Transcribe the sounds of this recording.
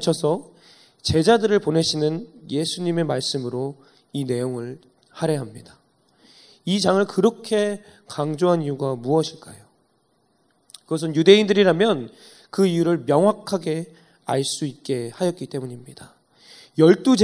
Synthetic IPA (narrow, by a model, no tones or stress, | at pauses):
t͡ɕʰʌsʰʌ | t͡ɕe̞d͡ʑadɯɾɯɭpone̞ɕʰinɯnje̞sʰuɲime̞maɭs͈ɯmɯɾo | ine̞joŋɯɭ | haɾe̞ɦamɲid̥a | id͡ʑaŋɯɭkɯɾʌkʰe̞kaŋd͡ʑoɦanijuɡamuʌɕʰiɭk͈ajo | kɯɡʌs̬ɯnjude̞indɯɾiɾamjʌn | kɯijuɾɯɭmjʌŋwakʰaɡe̞ | aɭs͈uit̚k͈e̞hajʌt̚k͈it͈e̞muɲimɲid̥a | jʌɭt͈u